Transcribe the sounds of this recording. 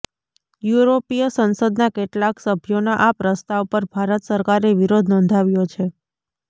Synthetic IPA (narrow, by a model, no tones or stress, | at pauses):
juɾopijəsənsəd̪nakeʈlaksəbʱjonaʔapɾəst̪aʋpəɾbʱaɾət̪səɾkaɾeʋiɾod̪ʱnɔ̃ːnd̪ʱaʋjot͡ʃʰe